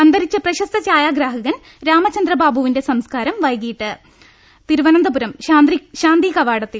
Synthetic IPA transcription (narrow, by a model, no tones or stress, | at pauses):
ɐnd̪ɐɾit͡ɕːɐprɐɕɐst̪ɐt͡ɕaːjaːɡɾaːɦɐɣɐn | ɾaːmɐt͡ɕɐnd̪rɐbaːbʱuʋinde̞sɐmskaːɾɐmʋɐjkijiʈːɨ | t̪iɾuʋɐnɐnd̪ɐbuɾɐmand̪iɕaːnd̪ikɐʋaːɽɐt̪ːil